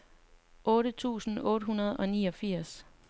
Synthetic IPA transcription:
ʔɔ̽ːɾət͡sʰṵːsn̩ɔ̽ːɾəɦunɐð̞̩ˠɒ̽niːɒ̽fiɐ̰s

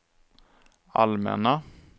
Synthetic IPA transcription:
almɛ̰na

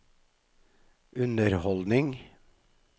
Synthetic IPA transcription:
ʔʉnəɾhɔld̪nɪŋ

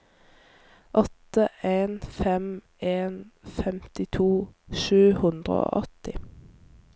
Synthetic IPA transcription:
ʔɔt̪əʔeːnfɛm | eːnfɛmt̪ɪt̪ʰuːʃʉːhʉnd̪ʁə̰o̰ːʔɔt̪ɪ

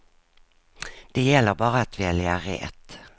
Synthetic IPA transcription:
d̪̥eːjɛlːəʁbɑːʁəat̪ʰʋiːɛlɪæːʁḛːt̪

